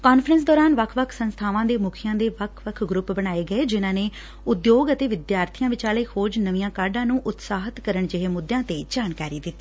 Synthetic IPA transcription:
kaːnfʰɾə̃ns̬d̪ɔːɾaːnʋəkʰʋəkʰsənst̪ʰaːʋãːd̪eːmʊkʰɪjãːd̪eːʋəkʰʋəkʰɡɾʊpbəɽaːeːɡəeːd͡ʒɪnãːneː | ʊd̪joːɡət̪eːʋɪd̪jaːɾt̪ʰijãːʋɪt͡ʃaːleːhoːd͡ʒnəʋijãːkaːɖãːnũːʔʊt̪saːɦət̪kəɾəɳd͡ʒɪɦeːmʊd̪ːjãːt̪eːd͡ʒaːnkaːɾiːd̪ɪt̪ːi̥ː

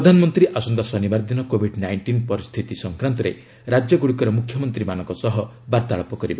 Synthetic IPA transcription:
ɾd̪ʱanɔmɔnt̪ɾiʔasɔnd̪asɔnibaɾd̪inɔkobʱiɖnajɳʈinpɔɾist̪ʰit̪isɔŋkɾant̪ɔɾe | ɾad͡ʒjɔɡuɽikɔɾɔmukʰjɔmɔnt̪ɾimanɔ̃ŋkɔsɔɦɔbaɾt̪aɭɔpɔkɔɾiba

